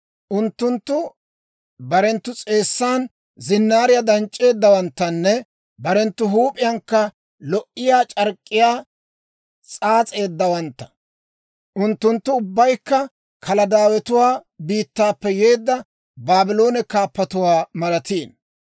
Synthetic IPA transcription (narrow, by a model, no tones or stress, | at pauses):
ʔʊnt̪ːʊnt̪ːʊ | bɐɾɛnt̪ːʊt͡sʼe̞ːsːaːn | zɪnːaːɾɪjad̪ɐnt͡ʃʼːe̞ːd̪ːɐwɐnt̪ːɐnːɛ | bɐɾɛnt̪ːʊɦuːpʼɪjɐŋkːɐ | lɔʔɪjaːt͡ʃʼɐɾkʼːɪjaː | t͡sʼaːt͡sʼe̞ːd̪ːɐwɐnt̪ːɐ̥ | ʔʊnt̪ːʊnt̪ːʊʊbːɐjkːɐ | kʰɐlɐd̪aːwɛt̪ʊwaːbiːt̪ːaːpːɛje̞ːd̪ːɐ | baːbɪlo̞ːnɛkaːpːɐt̪ʊwaːmɐlɐt̪iːn